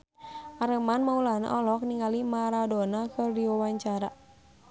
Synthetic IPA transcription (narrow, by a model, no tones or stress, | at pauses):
ʔaɾəmanmaulaɦna̰ʔɔlɔk̚niŋalimaɾadɔnakɨrdiwawaɲt͡ʃaɾa